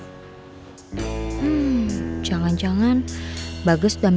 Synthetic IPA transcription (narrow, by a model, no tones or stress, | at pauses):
d͡ʒaŋand͡ʒaŋanbaɡʊsdam